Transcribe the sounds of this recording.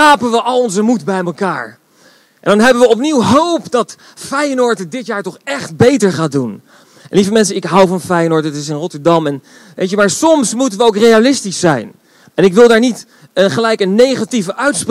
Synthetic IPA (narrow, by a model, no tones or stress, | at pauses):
aːpənʋəʔɑlˠɔnzəmutbɛjməkaːɹ | ʔɛ̰ndɑnɦɛbənʋəɔp̬niwɦowpdɑt | fɛjənɔɹtədɪtjaːɹtɔχɛχt̚bejtəɹχaːdun | livəmɛns̬əɪkɦawvɑnfɛjənɔɹtəətɪs̬ɪnrɔtəɹdɑmɛn | ʋḛjtəmaːɹsɔmsmutənʋəowkrejalɪstisːɛ̰jn | ɛnɪkʋɪlˠdaːɹnit | ənχəlɛjkənejχativəʔœɥtspr